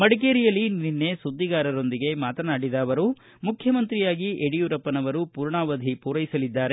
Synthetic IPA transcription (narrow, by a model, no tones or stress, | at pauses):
mɐɽik̬eːɾijɐlːininːe̞sud̪ːiɡaːɾɐɾo̞nd̪iɡe̞maːt̪ɐnaːɽid̪aːʋɐɾu | mukʰjɐmɐnt̪ɾijaːɡiʔeɽijuɾɐpːɐnɐʋɐɾupuːɾɳaːʋɐd̪ʱipuːɾɐjisɐlid̪ːaːɾe